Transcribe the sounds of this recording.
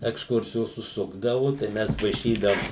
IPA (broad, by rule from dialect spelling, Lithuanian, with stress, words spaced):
ɛksˈkʊrʲsʲɪjoːs ʊʃˈsʊɡdɐʋʊ tɐɪ ˈmʲɛs ʋɐɪˈʃʲiːdɐʊm